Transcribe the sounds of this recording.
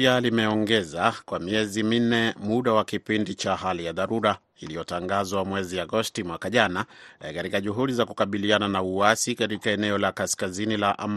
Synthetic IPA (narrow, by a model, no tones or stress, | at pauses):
alimɛɔŋɡɛzakwamiɛzimin̩ɛmuɗawakipindit͡ʃahalijaðaɾuɾa | ilijɔtaŋɡazwamwɛziaɡɔstimwakaʄanakaɾikaʄuɦuɗizakukaɓiliananauwasikatikaɛnɛɔlakaskazinilaʔam